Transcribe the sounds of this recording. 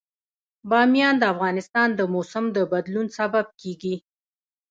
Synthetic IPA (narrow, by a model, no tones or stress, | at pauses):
bɑmijɑnd̪əafɣɑnɪst̪ɑnd̪əmosamd̪əbad̪lunsabab̚keɡi